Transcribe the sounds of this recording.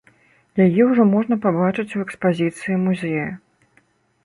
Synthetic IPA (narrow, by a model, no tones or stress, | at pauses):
jajɛwʐɔmɔʐnɐpabat͡ʂɨt͡sʲuɛkspazʲit̪sɨjimuzʲɛjɐ